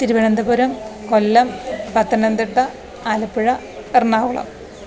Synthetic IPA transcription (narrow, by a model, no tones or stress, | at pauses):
t̪iɾuʋɐnɐnd̪ɐbuɾɐmkolːɐmbɐt̪ːɐnɐnd̪iʈːɐ | alɐpːɨɻɐ | irnaːʋuɭɐ̰m